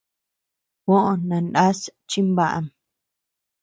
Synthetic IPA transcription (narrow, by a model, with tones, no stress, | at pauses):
wʷõ˦ʔõ˨nã˨nʔa˦st͡ʃi˦mba˦ʔa̰˨m